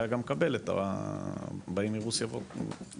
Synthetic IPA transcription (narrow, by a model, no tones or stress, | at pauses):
jaɡamkabe̞let̪a̰ | baimiʁusjavo